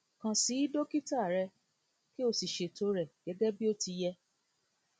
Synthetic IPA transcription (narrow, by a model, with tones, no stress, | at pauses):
kã˧si˨˦i˦do˦ki˦ta˦˨ɾɛ˧ | ki˦o˧si˨ʃe˨to˧ɾɛ˨ɡ̥ɛ˨˦ɡɛ˦bi˦o˦ti˧jɛ˧